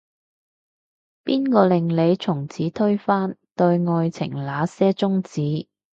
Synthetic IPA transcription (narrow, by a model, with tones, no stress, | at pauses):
piː˥nkɔː˧lɪ˨ŋle˨˧jt͡sʰʊ˨˩ŋt͡sʰiː˨˥t̪ʰɵ˥ɥfaː˥nt̪ɵ˧ɥŋɔː˧jt͡sʰɪ̰˨˩ŋlaː˨˧sɛː˥t͡sʊ˥ŋt͡siː˨˥